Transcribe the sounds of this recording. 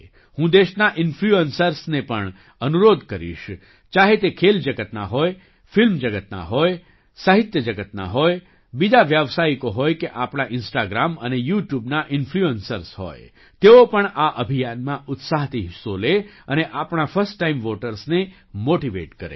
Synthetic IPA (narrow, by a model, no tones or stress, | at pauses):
hũd̪eʃnaʔɪnfluənsəɾsnepəɳ | ənuɾod̪ʱkəɾḭʃ | t͡ʃaɦet̪ekʰeld͡ʒəɡət̪na̰ɦoj | fɪlmd͡ʒəɡət̪na̰ɦoj | saɦit̪jəd͡ʒəɡət̪na̰ɦoj | bid͡ʒaʋjaʋsaikoɦojkeʔapɳ̃aʔɪnsʈaɡɾamənejuʈjubnaʔɪnfʰluənsəɾsɦo̰j | t̪eopəɳaʔəbʱijanmãʔʊt̪saɦt̪iɦɪsoleəneʔapɳafəɾsʈːaimʋoʈəɾsne | moʈiʋḛʈkəɾḛ